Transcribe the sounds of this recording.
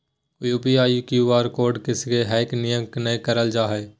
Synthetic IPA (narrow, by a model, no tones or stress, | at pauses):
juːbiaːjukjiʋaːɾkoːɖkɪskeɦɛːknɪjəknekəɾəld͡ʒaːɦɛː